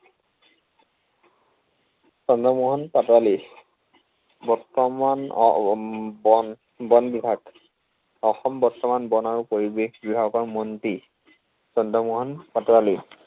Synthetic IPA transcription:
sɔndʱɔmuɦɔnpatɔɹali | bɔɹtɔman̰ | bɔn | bɔnbibʱaɡ | ɔxɔmbɔɹtɔmanbɔnaɹupoɹibebibʱaɡɔkɔɹmɔnti | sɔndʱɔmuɦɔnpatɔɹali

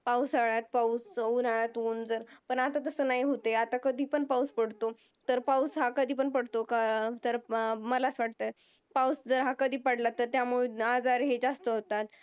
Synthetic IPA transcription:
pawsaɭjat̪̚pausunaɭjat̪uːnd͡zəɾpəɳat̪at̪əsəːnaɦiɦot̪eat̪akəd̪ʱiːpəɳpawspəɽt̪o | t̪əɾpawsɦakəd̪ʱiːp̬əɳpəɽt̪okat̪əɾməlasʋaʈ̚t̪ə | pawsd͡zəɾɦakəd̪ʱiːpaɽlat̪ːəɾt̪jamuɭead͡zaɾɦed͡zast̪əɦot̪at̪

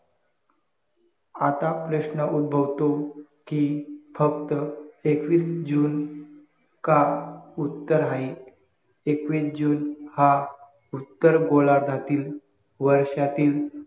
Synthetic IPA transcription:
at̪apɾəɕnəud̪̚bʱəʋt̪o | kifəkt̪əekʋiːsd͡ʑuːn | kaut̪ːəɾɦaɦi | ekʋiːsd͡ʑuːnha | ut̪ːəɾɡolaɾd̪ʱat̪iːl | ʋəɾɕat̪iːl

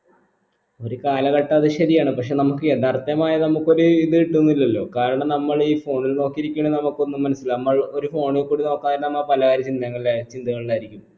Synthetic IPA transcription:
o̞ɾukaːlɐɣɐʈːɐɐðɨɕɐɾijaːɳɨpɐkʂe̞ːnɐmukːɨeðaːrt̪ɐmaːjɐnɐmukːo̞ɾuiðɨiʈːunːuilːɐlːo̞ːkaːɾɐɳɐmnɐmːɐɭiːfo̞ːɳilno̞ːkːiɾikʲːuɳenɐmukːo̞nːumːɐnɐsːilnɐmːɐɭo̞ɾufo̞ːɳilkːuːɽino̞ːkːaːinɐmːɐɭpɐlɐɣaːɾɐt͡ɕːind̪ɐŋːɐɭilaːɾit͡ɕːind̪ɨŋːɐɭilaːjiɾikʲːum

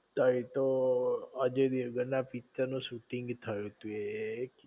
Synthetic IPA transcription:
t̪ʰəĩt̪o | əd͡ʒed̪iɡənapitːənũsuʈiŋɡt̪ʰəjũt̪uek

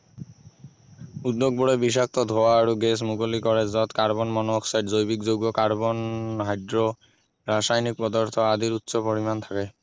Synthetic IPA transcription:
ud̪ːoɡ̚bɔɹɔbis̬ak̚t̪ɔd̪ʱowaːɹuɡɛs̬mukolikɔɹɛzɔt̪kaɹbɔnmɔnɔksajʈʰzojbikzoɡɔkaɹbɔnɦajdɹɔ | ɹasajnik̚pɔd̪ɔɹt̪ʰɔad̪iɹut̪ːsɔpɔɹimant̪ʰakɛ

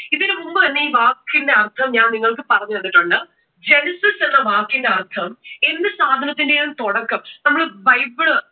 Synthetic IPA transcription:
iðinɨmumbɨt̪ɐnːe̞iːʋaːkːinde̞ɐrt̪ʰɐmɲaːnniŋːɐɭkɨpɐrɐɲːuʋɐnːiʈːuɳɖɨ | d͡ʑe̞nɐsɐsenːɐʋaːkːinde̞ɐrt̪ʰɐme̞nːɨsaːd̪ʱɐnɐt̪ːindejant̪oɽɐkːɐmnɐmːuɭɨʋɐjbɭɨ

